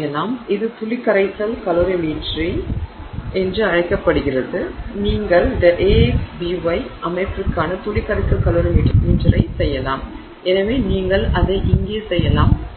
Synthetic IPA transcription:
jɐlaːmɪðɯt̪ʊlɪkːɐɾɐɪsɐlkɐloɾɪmiːʈri | ɛndrɯɐɻɐɪkːɐpːɐɽɯɣɪrɐðɯniːŋɡɐɭd̪ɐʔeːksbiʋɐɪʔɐmɐɪʈrɯkːaːnɐt̪ʊɭɪkːɐɾɐɪsɐlkɐloɾɪmiːʈrimɪd͡ʒɐɾɐɪsɛjːɐlaːm | ɛnɐʋeːniːŋɡɐɭɐðɐɪʔɪŋɡeːsɛjːɐlaːm

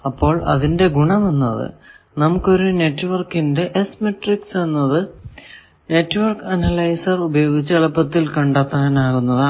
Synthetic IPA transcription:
ɐpːo̞ːɭɐ̰ðinde̞ɡuɳɐmenːɐ̰ðɨ̰ | nɐmukːo̞ɾune̞tːuʋɐrkːinde̞ʔesmeʈriksenːɐðɨ | ne̞tːʋɐrkɐnɐlɐjsɐrubɐjo̞ːɡit͡ɕːɨɐɭɐpːɐt̪ːilkɐɳɖaːt̪ːaːnaːɣunːɐðaː

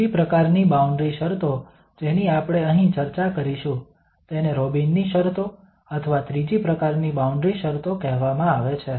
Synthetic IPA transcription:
ipɾəkaɾnibauɳɖɾiʃəɾt̪o | d͡ʒeniapɽ̃eəɦĩt͡ʃəɾt͡ʃakəɾiʃũ | t̪eneɾobinːiʃəɾt̪o | ət̪ʰəʋat̪ɾid͡ʒipɾəkaɾnibauɳɖɾiʃəɾt̪okɛɦʋamãaʋet͡ʃʰe

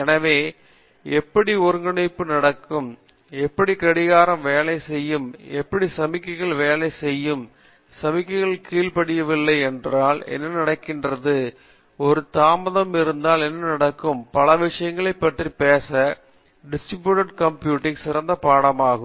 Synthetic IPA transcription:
ɛnɐʋeː | ɛpːɐɽiɔɾɯŋɡɐɳɐɪpːɯnɐɽɐkːɯm | ɛpːɐɽikɐɽɪɣaːɾɐmʋeːlɐɪsɛjːɯmɛpːɐɽisɐmɪkːɐɣɐɭʋeːlɐɪsɛjːɯm | sɐmɪkːɐɪɣɐɭkiːlpɐɽɪjɐʋɪlːɐɪɛndraːlɛ̰nːɐnɐɽɐkːɪndrɐðɯ | ɔɾɯt̪aːmɐðɐmɪɾɯnd̪aːlɛnːɐnɐɽɐkːɯmpɐlɐʋɪʂɐjɐŋɡɐɭɐɪpːɐʈripeːsɐ | ɖɪsʈɾɪbjuːʈɐʈkɐmpjuːʈːɪŋsɪɾɐnd̪ɐpaːɽɐmaːɣɯm

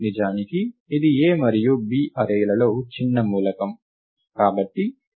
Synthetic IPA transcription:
nid͡ʒaːnikiːd̪ieːmɐɾijubiːʔɐɾɐjlɐlo̞ːt͡ʃinːɐmuːlɐkɐm | kaːbɐʈːi

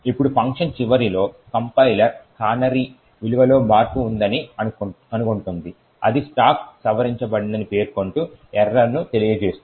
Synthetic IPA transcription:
ipːuɽupʰɐŋkʂɐnt͡ʃiʋɐɾilo̞ːkɐmpɐjlɐɾkaːnɐɾi | ʋiluʋɐlo̞ːmaːɾpuːnd̪ɐniɐ | ɐnukoɳʈund̪i | ɐ̰d̪isʈaːksɐʋɐɾiɲt͡ʃɐbɐɽind̪ɐnipe̞ːɾkoɳʈu | ɛɾːɐnːut̪e̞lijɐd͡ʒe̞ːsu

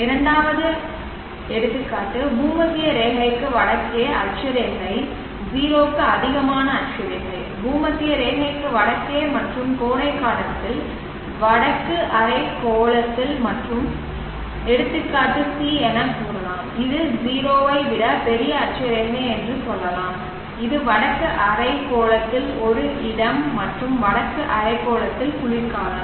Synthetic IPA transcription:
ɪɾɐɳɖaːʋɐðɯ | ɛɽɯt̪ːɯkːaːʈːɯbuːmɐt̪ːɪjɐɾeːɣɐɪkːɯʋɐɽɐkːeːɐɾt͡ʃːɐɾeŋːɐɪ | ziːɾoːkːɯɐðɪɣɐmaːnɐːɾt͡ʃɐɾɛɣɐɐɪbuːmɐt̪ːɪjɐɾeːɦɐɪkːɯʋɐɽɐkːeːmɐʈrɯmkoːɳɐɪkːaːɽɐt̪ːɪl | ʋɐɽɐkːɯʔɐɾɐɪkoːɭɐt̪ːɪlmɐʈrɯm | ɛɽɯt̪ːɯkːɐðɯt̪ːiɛnɐkuːɾɐnaːmɪðɯziːɾoːʋɐɪʋɪɽɐpɛɾɪjɐːʈ̚t͡ʃɐɾeːɾneɛndrɯsɔlːɐlaːm | ɪðɯʋɐɽɐkːɯʔɐɾɐɪkːoːɭɐt̪ːɪlɔɾɯʔɪɽɐmːɐʈrɯmʋɐɽɐkːɯʔɐɾɐɪkːoːɭɐt̪ːɪlkʊɭɪɾkaːnɐ

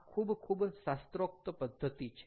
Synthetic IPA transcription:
kʰuːbkʰuːbsast̪ɾok̚t̪əpəd̪ʱːət̪it͡ɕʰ

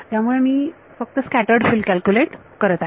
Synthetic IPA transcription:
t̪jamuɭemiː | fək̚t̪əskæʈəɾɖfilkælkjuleʈ | kəɾət̪a

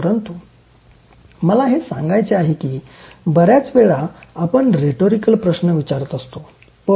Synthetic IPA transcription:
əɾənt̪u | məlaɦesãŋɡajt͡seaɦekiːbəɾjat͡sʋeɭaapəɳɾeʈoɾikəlpɾəsnəʋit͡ɕaɾət̪əst̪o | pə

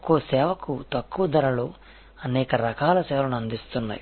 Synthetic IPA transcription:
kuʋɐsɛːʋɐkut̪ɐkːuʋɐd̪ɐɾɐlo | ɐnɛːkɐɾɐkaːlɐsɛːʋɐnuɐnd̪ist̪unːa̰ːji

